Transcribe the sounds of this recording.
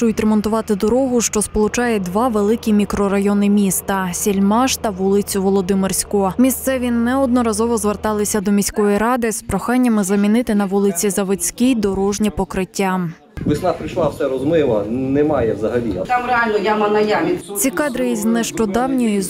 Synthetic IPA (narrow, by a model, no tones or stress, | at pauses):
ʊjʊtʲɾemɔnt̪ʊʋɑt̪ɪd̪ɔɾɔɦʊʃt͡ʃɔspɔlˠʊt͡ʃɑjɛd̪ʋɑʋelˠɪkʲimʲikɾɔɾɐjɔnɪmʲist̪ɐsʲilʲmɑʃt̪ɐʋulˠɪt͡sʲʊʋɔlˠɔd̪ɪmɪrsʲkʊmʲist̪sɛʋʲinɛɔd̪̚nɔɾɐzɔʋɔzʋert̪ɑlˠɪsʲɐd̪ɔmʲisʲkɔjiɾɑd̪ɪspɾɔxɑnʲːɐmɪzɐmʲinɪt̪ɪnɐʋulˠɪt͡sʲizɐʋɔt͡sʲkijd̪ɔɾɔʒnʲipɔkɾɪtʲːa | ʋɪsnapɾɪjʃlˠɑwsɛɾɔzmɪlˠɐnɛmɑjɛwzɐɦɐlʲḭt̪amɾealʲnɔjamɐnɐjamʲit͡sʲikɑd̪ɾɪiznɛʃt͡ʃɔd̪ɑwnʲɔjiz